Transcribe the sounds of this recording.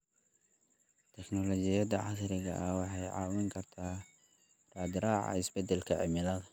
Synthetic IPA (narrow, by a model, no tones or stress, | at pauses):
t̪ʰɛknɔlɔt͡ʃɪjɐd̪ɐʕɑsɾɪɣɐ̰ʔɐwɑħɑjʕɑ̰ːwɪŋkʰɐrt̪ʰaː | raːd̪ɪɾaːʕɑ̰ɪsbɛd̪ɛlkʰɐʕɪ̰mɪlɐðɐ